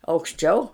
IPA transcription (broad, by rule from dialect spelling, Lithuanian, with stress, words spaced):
ɐʊkʃʲˈt͡ʃʲɛʊ